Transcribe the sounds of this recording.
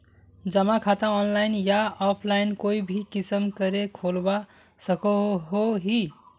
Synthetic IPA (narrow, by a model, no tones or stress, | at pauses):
d͡ʒəmakʰat̪ãɔnlajnjaɔpʰlajnkoibʱikisəmkəɾekʰolba | səkoɦoɦi